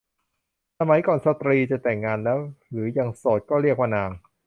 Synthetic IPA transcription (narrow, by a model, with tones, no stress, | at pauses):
sa˧ma˨˩˦jkɔː˨˩nsa˧t̪ɾiː˧t͡ɕa˨˩t̪ɛ˨˩ŋːaː˧nlɛː˦˥wɾɯː˩˦jaː˧ŋsoː˨˩t̪̚kɔː˥˩ɾi˥˩ək̚maː˧naː˧ŋ